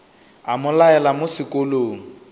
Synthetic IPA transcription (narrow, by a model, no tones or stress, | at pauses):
amʊlaɛlamʊsɪkʼoloːŋ̩